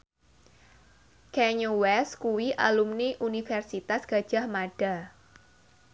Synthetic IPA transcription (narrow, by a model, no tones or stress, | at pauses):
kɛɲowɛskuwiʔa̰lumniʔunifɛrsit̪asɡ̥a̤d̥ʒ̥a̤hmaɖ̥a̤